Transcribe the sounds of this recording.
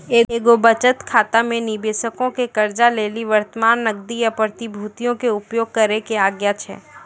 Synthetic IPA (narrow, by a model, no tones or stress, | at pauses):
eːeːɡobɐt͡ʃət̪kʰaːt̪amẽnɪbeːʃəkõkekɐɾd͡ʒaleːliʋəɾt̪əmaːnːɐɡd̪ijapɾət̪ibʱuːt̪ijõkeʊpjoːɡɡ̚kɐɾekeaːɡjat͡ʃʰɛ̰ː